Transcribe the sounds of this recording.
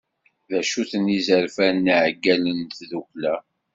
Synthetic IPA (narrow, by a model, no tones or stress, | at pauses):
ðæʃuθənizəɾfænːiʕɡːælənt̪ðuklæ